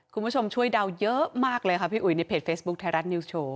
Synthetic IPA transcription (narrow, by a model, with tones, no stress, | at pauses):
kʰu˧nbʰu˥˩t͡ɕʰo˧mt͡ɕʰu˥˩əjda˧wjɤ˦˥maː˥˩k̚lɤː˧jkʰa˦˥pʰiː˥˩ʔu˨˩jna˧jpʰeː˨˩t̪̚feː˦˥sbu˦˥k̚t̪ʰɛː˧˥ɾa˦˥t̪̚ni˧wst͡ɕʰoː˧